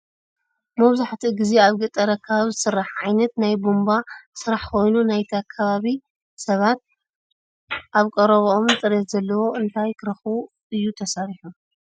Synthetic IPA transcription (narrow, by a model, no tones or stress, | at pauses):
mɐβzaħt̪ʰiɡizeaβɡɨt̪ʼːɐɾɐkʰːaβaβizɨsɨrːaħʕajnɐt̪najbumbasɨɾaħkʰo̞jnunajt̪ʰiakʰːɐβaβi | sɐβat̪̚ | ʔaβkʼɐɾɐβoomt̪ʼɨɾet̪zɐlːɐwo̞ɨnt̪ʰajkɨɾɐxu | ɨjːut̪ʰɐsaɾiħu